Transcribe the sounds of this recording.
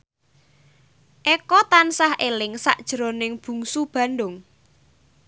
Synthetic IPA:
ʔɛkɔt̪ansahʔelɪŋsa̰ʔd̥ʒ̥ə̤ɾonɪŋb̥ṳŋsub̥ä̤nɖʊŋ

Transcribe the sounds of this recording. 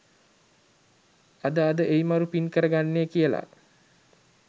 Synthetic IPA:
ad̪əad̪əʔejimaɾupinkəɾəɡanːekijəla̰

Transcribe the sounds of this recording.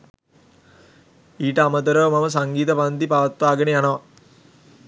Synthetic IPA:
iːʈɐɐmɐt̪ɐɾəʋmɐmɐsɐŋɡiːt̪ɐpɐnd̪ipaːʋɐt̪ʋaːɡɐnejanɐʋɐ

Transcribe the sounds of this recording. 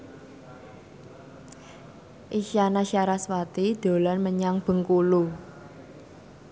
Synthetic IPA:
ʔiʃanaʃiaɾaswat̪id̪̥o̤lanməɲaŋb̥ə̤ŋkulu

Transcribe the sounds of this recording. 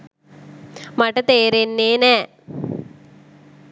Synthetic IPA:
maʈət̪eːɾenːeːnæː

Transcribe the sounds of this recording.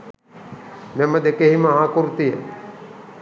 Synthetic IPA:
mɛməd̪ekeɦimɐɦaːkuɾt̪ijə̰

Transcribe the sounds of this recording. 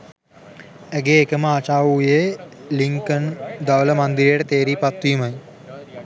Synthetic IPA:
æɡeːkəməat͡ʃaːʋuje | liŋkənd̪aʋələmand̪iɾejəʈət̪eːɾiːpat̪ːʋiməj

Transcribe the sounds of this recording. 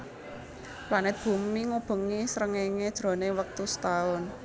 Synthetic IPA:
planɪt̪̚b̥ṳmiŋub̥ə̤ŋisəɾəŋeŋed̥ʒ̥ɾo̤newək̚t̪ust̪aʊn

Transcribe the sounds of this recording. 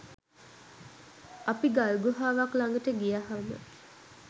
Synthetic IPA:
apiɡalɡoɦaːʋaklaŋɡəʈəɡijaɦamə̰

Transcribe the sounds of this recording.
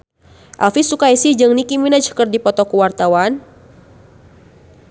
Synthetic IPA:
ʔa̰lfisukaisihd͡ʒɨŋnikiminad͡ʒkərdipɔt̪ɔkuwart̪awan

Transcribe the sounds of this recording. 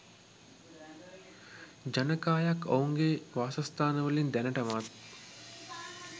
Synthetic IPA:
d͡ʒɐnɐkaːjakouŋɡeʋaːsɐst̪ʰaːnəʋəlind̪ɛnɐʈɐʋat̪

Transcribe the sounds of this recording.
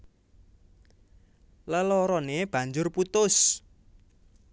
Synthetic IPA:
ləlɔɾɔneb̥ä̤ɲd͡ʒʊrput̪ʊs

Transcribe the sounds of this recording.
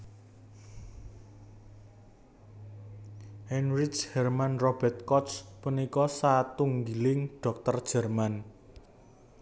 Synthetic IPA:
hɛnrid͡ʒhɛrmanrɔb̥ɛ̤t̪̚kɔt̪spunikɔsat̪uŋɡilɪŋɖ̥ɔ̤k̚t̪ərd̥ʒ̥ɛ̤rman

